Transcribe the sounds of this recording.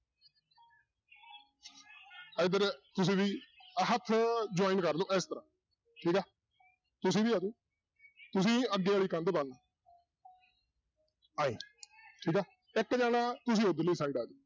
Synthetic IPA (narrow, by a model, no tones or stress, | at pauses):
əɪd̪əɾt̪ʊs̬ĩːʋiːɦət̪ʰːd͡ʒʊaːiːnkəɾloːʔɛst̪əɾãː | ʈʰiːkɛː | t̪ʊsĩːbiːaːd͡ʒ̪oː | t̪ʊs̬ĩːəɡeːaːɭiːkə̃nd̪bən | aĩːʈʰiːkɛː | ɪkːd͡ʒaːnãːt̪ʊs̬ĩːod̪liːsaːiːɖaːd͡ʒ̪oː